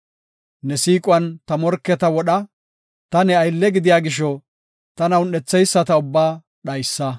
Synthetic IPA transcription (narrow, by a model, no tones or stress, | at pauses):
nɛsiːkʼʊɐnt̪ɐmɔɾkːɛt̪ɐwɔɗɐ | t̪ɐnɛɐjlːɛɡɪd̪ɪjaːɡɪʃɔ | t̪ɐnɐwnɛt͡sːɛjsːɐt̪ɐʊbːaː | ɗɐjsːɐ